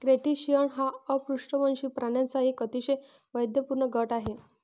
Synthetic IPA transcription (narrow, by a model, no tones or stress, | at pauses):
kɾeʈiɕijəɳɦaəpɾuʂʈəmənɕiːpɾaɳjant͡saɦikət̪iɕe | ʋəjd̪jəpuɾɳəɡʱəʈaɦe